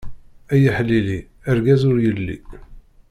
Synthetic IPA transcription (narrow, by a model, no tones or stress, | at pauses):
æjiħlːili | əɾɡæzʊɾjəlːḭ